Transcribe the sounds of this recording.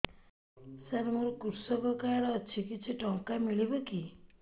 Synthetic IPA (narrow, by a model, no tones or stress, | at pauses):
seɾmoɾɔkuɾsɔkɔkaɾɔːt͡ʃʰikit͡ʃʰiʈɔŋkamiɭibɔki